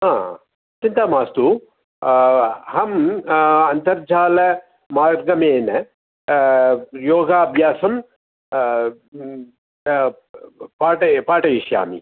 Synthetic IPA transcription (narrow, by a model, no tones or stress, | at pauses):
ɦãː | t͡ʃint̪aːmaːst̪u | hɐm | ɐnt̪ɐɾd͡ʒʱaːlɐ | maːɾɡɐmeːnɐ | joːɡaːbʱjaːsɐm | paːʈɐpaːʈɐjiʃja̰ːmḭ